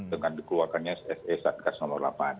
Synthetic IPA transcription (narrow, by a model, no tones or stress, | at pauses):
dəŋandikəluarkanɲasɛsesat̪̚kasnɔmərla̰pan